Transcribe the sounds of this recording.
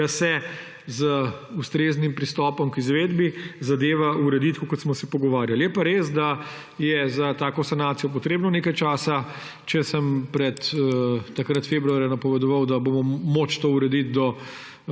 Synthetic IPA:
asɛ | zəust̪ɾeːznimpɾist̪ɔːpɔmkizʋeːd̪bizad̪eːʋauɾɛd̪it̪kukɔt̪smɔsɛpɔɡɔʋaːɾjaljɛpaɾeːsd̪a | jɛzat̪aːkɔsanaːt̪sijɔp̬ɔt̪ɾeːbnɔneːkajt͡ʃaːsa | t͡ʃɛsəmpɾɛt̪ː | akɾat̪feːbɾuaːɾjɛnɐpɔʋɛd̪ɔʋawd̪abomɔmoːt͡ʃt̪oːuɾɛd̪it̪̚d̪ɔ

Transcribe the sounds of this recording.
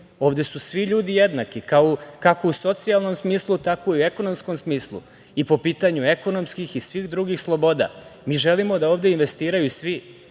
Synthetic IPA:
o̞ːʋd̪e̞susʋiʎuːd̪ijed̪nakikaokakouso̞t̪sialˠno̞msmiːslˠut̪ako̞iue̞ko̞no̞msko̞msmiːslˠṵ | ipo̞piːt̪aɲue̞ko̞no̞mskixisʋiːxd̪ɾuɡixslˠobo̞ːd̪a̰miːʒelimo̞d̪aoːʋd̪e̞inʋe̞st̪iːɾajusʋi

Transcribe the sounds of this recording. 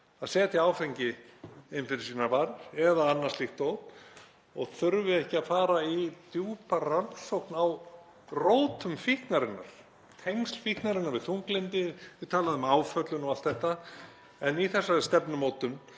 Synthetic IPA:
aðsɛːt̪iawfejɲcɪɪnfɪɾɪɾsinavaɾɾɛðaanːaɾ̥slixkt̪ːoːwt̪ | ɔɣθʏɾvɪɛhcɪaðfaːɾait̪juːparansowhknaw | roːwt̪ʏmfihknaɾɪnːa̰ɾ̥ | t̪ʰejŋst̪l̥fihk̪naɾɪnːaɾvɪðθuŋklɪnt̪ɪvɪt̪ʰaːlaðʏmaːwfœt̪lʏnɔɣalt̪θɛht̪a | ɛniθɛsːast̪ɛpnʏmoːwt̪ʏn

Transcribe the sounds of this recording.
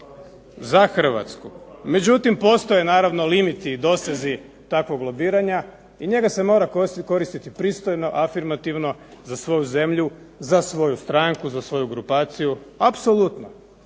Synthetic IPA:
zaxr̩ʋa̰t̪skume̞d͡ʑut̪impo̞st̪oje̞naːɾaʋno̞limit̪iːd̪o̞sezi | t̪akʋoɡlˠo̞biːɾaɲa | iɲe̞ɡase̞mo̞ɾako̞ɾist̪it̪ipɾiːst̪o̞jno̞ʔafiɾmat̪iʋno̞zasʋo̞juze̞mʎu | zasʋo̞just̪ɾaŋkuzasʋo̞juɡɾupaːt̪sijuapso̞lˠut̪no

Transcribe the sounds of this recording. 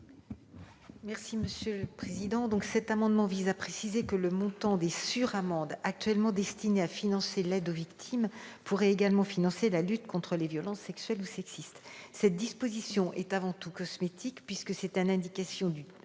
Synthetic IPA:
mɛʁsiməsjøləpχezid̪ɑ̃d̪ɔ̃ksɛt̪amɑ̃d̪mɑ̃vizapχesizekələmɔ̃t̪ɑ̃d̪esyʁamɑ̃d̪ak̚t̪ɥɛlmɑ̃d̪ɛst̪ineafinɑ̃selɛd̪ovikt̪ʰimpuʁɛeɡalmɑ̃finɑ̃selalyt̪kɔ̃t̪χəlevjɔlɑ̃sːɛksɥɛlusɛksist̪sɛt̪̚d̪ispozisjɔ̃ʔɛt̪avɑ̃t̪ukɔsmet̪ʰikpɥiskəsɛt̪ynɛ̃d̪ikasjɔ̃d̪y

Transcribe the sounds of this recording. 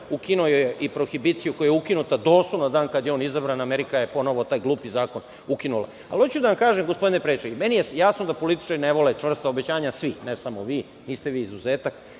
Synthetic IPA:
ukinojojeʔipɾoxibit̪sijuko̞jujɛukinut̪ad̪o̞ːslˠonad̪aːnkad̪jeo̞ːnizabɾanaːmeɾikajepo̞no̞ʋot̪aːjɡlˠuːpizaːko̞n | ukinula̰ | a̰lot͡ɕud̪aʋamkaːʒemɡospo̞d̪inepɾet͡ʃeimenijejasnod̪apo̞lit̪i̥t͡ʃaɾineʋo̞let͡ʂʋr̩st̪aobet͡ɕaːɲasʋinesamo̞ʋiː | niːst̪eʋiːizuzeːt̪ak

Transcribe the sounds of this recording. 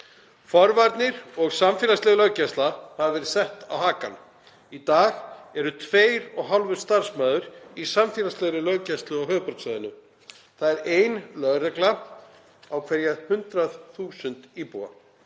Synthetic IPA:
fɔɾvaɾt̪nɪɾɔɣsamfɛːlaslɛːɣlœɥcɛst̪lahavɛɾsɛht̪awhaːka̰n | it̪aːɣɛɾʏt̪ʰveːjɾɔɣɦawlvʏɾst̪aɾ̥smœːðʏɾisamfɪːlast̪lɛɣɾɪlœɣcɛst̪lʏawɦœːɣpɔɾk̪saðɪnʏ | θaðɛɾeːjnlœðrɛkla | awkʰvɛɾjahʏnt̪ɾaðθuːsʏnt̪ipuwa̰

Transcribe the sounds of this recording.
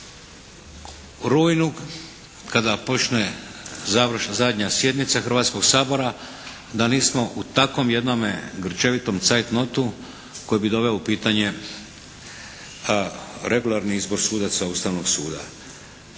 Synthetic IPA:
ɾujnuɡ | kad̪apo̞t͡ʃnezaʋɾ̩ʃazad̪ɲasje̞d̪nit̪saxr̩ʋat̪sko̞ɡsaːbo̞ɾa | d̪aniːsmo̞ʔut̪ako̞mje̞d̪no̞meɡr̩t͡ʃe̞ʋit̪o̞mt̪sajt̪no̞t̪u | ko̞jbid̪o̞ʋe̞oupiːt̪aɲe̞ | ɾʔe̞ɡulˠaɾniizbo̞ɾsuːd̪asaust̪aʋno̞ɡsuːd̪a̰

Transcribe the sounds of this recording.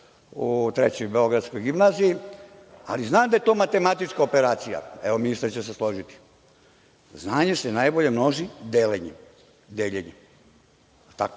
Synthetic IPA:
ut̪ɾḛt͡ɕojbeo̞ɡɾad̪skojɡimnaːziji | a̰liznaːmd̪aje̞t̪o̞ːmat̪e̞mat̪it͡ʃkaopeɾaːt̪sija̰eʋo̞minist̪aɾt͡ɕes̬eslˠo̞ʒit̪i̥ | znaːɲe̞senajbo̞ʎe̞mno̞ʒid̪eleɲe | d̪eːʎeɲe | t̪ak

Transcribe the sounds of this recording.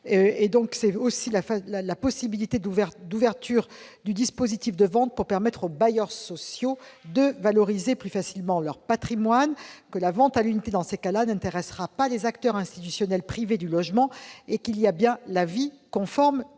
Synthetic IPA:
ed̪ɔ̃ksɛosilaflalapɔsibilit̪ed̪uvɛʁd̪uvɛʁt̪yʁd̪yd̪ispozit̪ifd̪əvɑ̃t̪̚puʁpɛʁmɛt̪χobajœʁsɔsjod̪əvalɔʁizeplyfasilmɑ̃lœʁpat̪χimwankəlavɑ̃t̪alynit̪ed̪ɑ̃sekalanɛ̃t̪eʁɛsʁapalezakt̪œʁɛ̃st̪i̥t̪ysjɔnɛlpχived̪ylɔʒmɑ̃ekiliabjɛ̃lavi | kɔ̃fɔʁm

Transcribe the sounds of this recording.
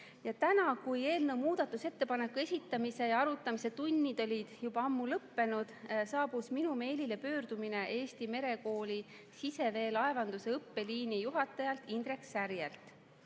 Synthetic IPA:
jɑt̪ænɑkuje̞ːlnəwmuːd̪̥ɑt̪ːˑuse̞t̪ːe̞pɑne̞kːˑue̞sʲit̪ːˑɑmise̞jɑɑɾut̪ːˑɑmise̞t̪unʲːid̪̥o̞lʲid̪̥jubɑɑmːulɤpːe̞nud̪̥sɑːb̥usminume̞ːlile̞pø̞ːɾd̪̥umine̞ʔe̞ːst̪ime̞ɾe̞ko̞ːlʲi | sise̞ve̞ːlɑevɑnd̪use̞ɤpːe̞liːnijuɦɑt̪ːˑɑjɑlt̪ːˑind̪ɾe̞ksæɾjelt̪ˑ

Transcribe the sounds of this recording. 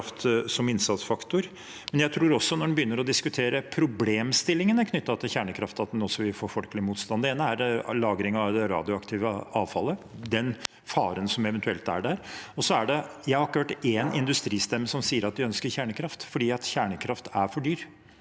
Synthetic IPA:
ft̪sɔmɪnsɑt̪sfɑkt̪ʊɾ | mɛnjæɪt̪ʰɾuːɾɔsːɔnɔɖɛnbjʏnːəɾɔd̪ɪskʉt̪ʰeːɾəpʰɾʊbleːmst̪ɪlːɪŋənəkʰnʏt̪ːɑt̪ʰɪlçæːɳəkʰɾɑft̪ɑt̪̚d̪ɛnɔsːɔʋɪlfoːɾfɔlklɪmuːt̪st̪ɑnd̪əeːnəæɾlɑːɡɾɪŋɑʋd̪ɛɾɑ̰ːd̪ɪʊɑkt̪ʰɪːʋəɑːʋfɑlːəd̪ɛn | fɑːɾənsɔmɛʋɛnt̪ʰʉɛlt̪æ̰ɖæɾɔsɔæɖɛjæɪhɑɾɪkːəøːʈːenɪ̰nd̪ʉst̪ɾiːst̪ɛmːəsɔmsiːəɾɑt̪̚d̪ɪœnskəɾçæːɳəkʰɾɑft̪fɔɖiːɑt̪çæːɳəkʰɾɑft̪æɾfɔɖyːɾ

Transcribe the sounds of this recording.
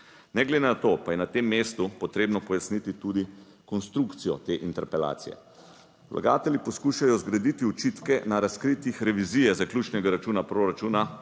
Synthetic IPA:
nɛɡled̪enat̪opajɛnat̪emːeːst̪upɔt̪ɾeːbnɔpɔjasnit̪it̪ud̪i | kɔnst̪ɾukt̪sijɔt̪eːʔint̪ɛɾpɛla̰ːt̪sijɛ̰ | lʔa̰ɡa̰ːt̪ɛlʲipɔskuːʃajɔzɡɾad̪it̪iɔt͡ʃit̪kɛnaɾaskɾit̪ixɾɛʋiziːjɛzaklʲjuːt͡ʃnɛɡaɾat͡ʃuːnapɾoɾat͡ʃuːna

